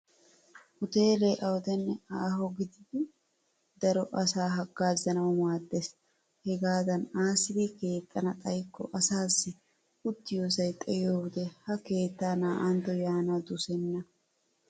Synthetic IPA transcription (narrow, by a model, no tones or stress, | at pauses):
hʊt̪e̞ːleʔɐwɔd̪ɛnːɛaːɦɔɡɪd̪ɪd̪ɪ | d̪ɐɾɔʔɐsaːɦɐɡːaːzɐnɐwmaːd̪ːes | hɛɡaːd̪ɐnaːsɪd̪ɪke̞ːt̪ʼːɐnɐt̪ʼɐjkːɔ̰ʔɐsaːsːɪ | ʊt̪ːɪjoːsɐjt̪ʼɛjoːwɪd̪ɛhɐke̞ːt̪ːaːnaːʔɐnt̪ɔjaːnad̪ʊsɛnːɐ